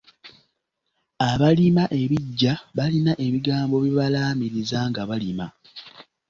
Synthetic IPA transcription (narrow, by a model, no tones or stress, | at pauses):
aβalimaʔe̞βiɟːaβalinaʔe̞βiɡaːmbo̞βiβalaːmiɾizaŋɡaβalima